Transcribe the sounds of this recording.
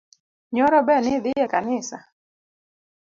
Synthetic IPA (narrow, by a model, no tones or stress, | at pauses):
ɲɔɾɔbɛnɪd̪ɪjɛkanɪsa̰